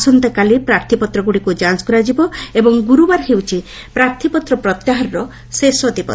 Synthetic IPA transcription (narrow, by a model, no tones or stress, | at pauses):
sɔnt̪ekalipɾaɾt̪ʰipɔt̪ɾɔɡuɽikud͡ʒanskuɾad͡ʒibɔebɔŋɡuɾubaɾɦewt͡ʃʰi | pɾaɾt̪ʰipɔt̪ɾɔpɾɔt̪jaɦaɾɾɔ | sesɔd̪ipɔ̰